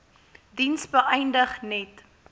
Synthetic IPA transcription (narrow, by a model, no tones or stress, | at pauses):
dinsbəʔɛjndəχnɛt